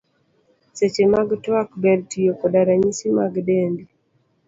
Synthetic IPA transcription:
set͡ʃemaɡtwakbɛɾtijokodaɾaɲisimaɡdembi

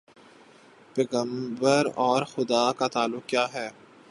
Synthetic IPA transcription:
pɛːɣə̃mbəɾɔːɾxʊd̪akat̪aːlːʊk̚kjaːɦɛː

